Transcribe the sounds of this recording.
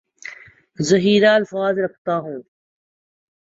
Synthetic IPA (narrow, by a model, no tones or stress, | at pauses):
zəɦiːɾaːɐlfaːzɾək̚ʰt̪aːɦũː